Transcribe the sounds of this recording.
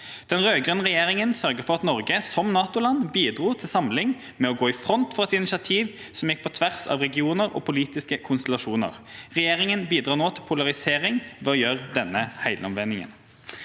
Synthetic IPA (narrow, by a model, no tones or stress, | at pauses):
d̪̥ɛnʁøːɡʁœnʁɛjeːʁɪŋənsœʁɡəʁfɔʁɑt̪nɔʁɡəsɔmnɑːt̪ʊlɑnbiːd̪ʁuːt̪ʰɪlsɑmlɪŋ | mɛɔɡoːɪfʁɔnt̪fɔʁɛt̪ɪnɪsɑt̪ʰiːʋ | sɔmjɪk̚pʰɔt̪ʰʋæʁsɑ̰ːʋʁɛɡɪuːnəʁɔ̰ːpʰʊliːt̪ɪskəkʰʊnst̪ɛlɑʂuːnə̰ʁʁɛjeːʁɪŋənbiːd̪ʁɑːnoːt̪ʰɪlpʰʊlɑʁɪseːʁɪŋʋɛɔjøːʁd̪ɛnːəhæɪlʔɔmʋɛnɪŋə̰n